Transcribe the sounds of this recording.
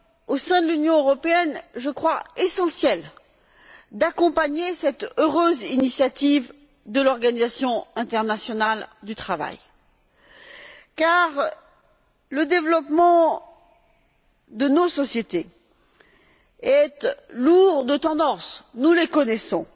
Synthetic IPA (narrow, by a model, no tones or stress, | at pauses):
osɛ̃d̪əlynjɔ̃øʁɔpeɛnʒəkχwaesɑ̃sjɛl | d̪akɔ̃paɲesɛt̪øʁøzinisjat̪iv | d̪əlɔʁɡanizasjɔ̃ɛ̃t̪ɛʁnasjɔnald̪yt̪χava̰j | kaʁ | ləd̪evlɔpmɑ̃ | d̪ənosɔsjet̪e | ɛt̪luʁd̪ət̪ɑ̃d̪ɑ̃snulekɔnɛsɔ̃